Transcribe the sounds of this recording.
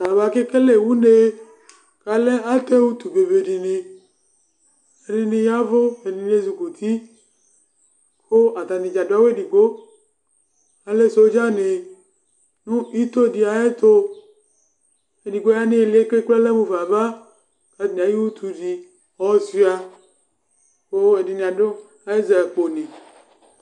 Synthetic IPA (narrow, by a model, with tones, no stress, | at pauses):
a˨βa˨˦ke˦ke˦le˨wu˦ne˦ | ka˨lɛ˦a˦te˦wu˦t̪u˨be˨ve˨di˨ne˧ | e˨di˧ne˧ja˦vo˦e˨di˧ne˧zu˧ko˨t̪ʰi˦ | kʰo˦a˨t̪a˨ni˨d͡ʒa˨do˨˦a˦we˦˨di˨ɡo˦ | a˨le˦so˨˦d͡ʒa˦ne˨ | nũ˦i˦t̪o˦˨di˨a˨je˦t̪o˦ | e˨di˨ɡo˦a˦ne˦e˨li˨˦e˦ke˦k͡ple˦le˦mũ˨va˨va˦ | ka˦d̪̃a˨ji˦wu˦t̪ʰu˨di˨ | ɔ˦si˦a˨ | ko˦e˨di˨nẽ˨a˨do˦ | a˨e˦za˨k͡po˨nẽ˨